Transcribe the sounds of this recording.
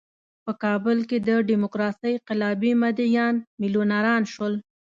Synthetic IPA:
pəkɑbəlked̪əɖimʊkɾɑsəjqɪlɑbimad̪ijɑnmɪlonaɾɑnʃwəl

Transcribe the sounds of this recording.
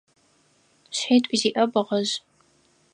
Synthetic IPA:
ɕħiːtʷʼiziːʔɐbɨʁɐʑ

